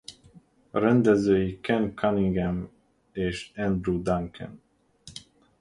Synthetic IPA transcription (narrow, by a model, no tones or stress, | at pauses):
ɾɛnd̪ɛzøːjikɛnkʰaniŋɡɛm | eːʃɛnd̪rud̪aŋkʰɛ̰n